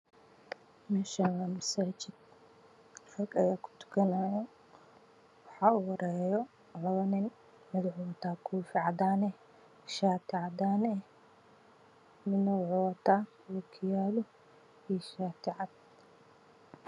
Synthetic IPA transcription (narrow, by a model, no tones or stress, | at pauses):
mɛʃawɐmɐsaːt͡ʃɪd̪̚ | rɐrkɐjaːkʰʊ̥t̪ʰʊ̥kʰɐnaːjɐ | wɑħɑːʊwɐɾɛːjɔ | lɐβɐnɪn | mɪd̪ʕʊwɐt̪ʰaːkʰuːfɪʕɑd̪aːnɛ | ʃaːt̪ʰɪʕɑd̪aːnɛ | mɪnɐʕʊwɐt̪ʰaː | wɐkʰɪjaːlɔ | iːʃaːt̪ʰɪʕɑd̪